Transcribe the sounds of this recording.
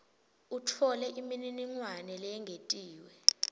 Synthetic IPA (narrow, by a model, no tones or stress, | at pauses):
utʰɔlɛʔimininiŋwanɛlɛɛŋʱetʼiːwɛ